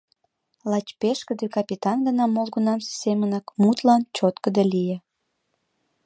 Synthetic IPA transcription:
lɑt͡ɕpeʃkə̆d̪ekɑpʲit̪ɑnɡənɑmolɣənɑmssemənɑkmut̪lɑnt͡ɕot̪kə̆d̪elije

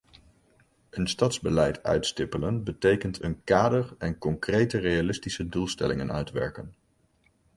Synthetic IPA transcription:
ənstɑtzbəlɛjtœ̰ɥtstɪpələnbətejkəntʰənkaːdəɹɛnkɔŋkrejtərejalɪstisədulˠstɛ̰lɪŋənœ̰ɥtʋɛ̰ɹkən

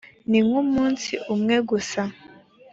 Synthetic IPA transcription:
niŋumuːnsiʔumŋeɡusa

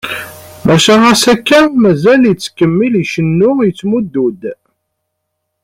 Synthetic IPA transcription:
mæʃææsækːæmæzæljət͡sːkːəmːiliʃənːʊjət͡sːmud̪ːud̪

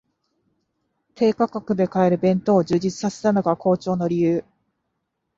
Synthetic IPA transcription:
t̪ʰe̞ːkakakɯ̟d̪e̞kae̞ɾɯ̟bẽ̞nt̪o̞ːd͡ʑɨːʑit͡sɨ̥sase̞̥t̪ano̞ɡako̞ːt͡ɕo̞ːno̞ɾʲijɯ̟ː

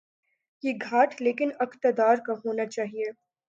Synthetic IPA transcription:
jeɡʱaːʈʰleːkɪnɐkt̪əd̪aːɾkaɦoːnat͡ʃaːɦie

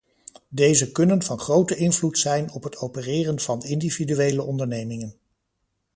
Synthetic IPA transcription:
dejzəkɵnənv̥ɑnχrowtəɪnvlutsɛjnɔpɦətʰowpərɪːrənv̥ɑnɪndividyʋejləʔɔndəɹnejmɪŋən

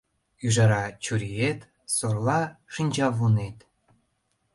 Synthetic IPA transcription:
yʒɑɾɑt͡ɕuɾʲijet̪ | sorlɑʃinʲd͡ʑɑβunet̪

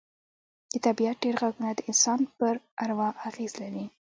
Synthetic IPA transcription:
d̪ət̪abiat̪̚ɖeɾɣaɡunad̪əɪnsɑnpəɾ | aɾwɑaɣezlaɾi

